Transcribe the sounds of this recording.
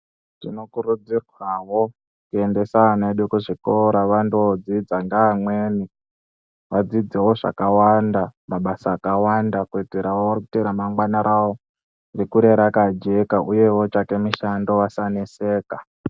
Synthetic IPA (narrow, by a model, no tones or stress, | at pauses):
tino̞kuɾud͡zirwawo̞ | kuende̞saneɗukuʐikoɾaʋandod͡zid͡zaŋɡaːmweːni | ʋad͡zid͡zewo̞ʐa̰kawandamaɓasaːkawandakuid͡zeɾawowarikuteɾamaŋɡwanaɾʔawo | dekuɾe̞ɾakad͡ʒe̞kaʔuje̞wo̞t͡ʃake̞miʃando̞wasanese̞ːka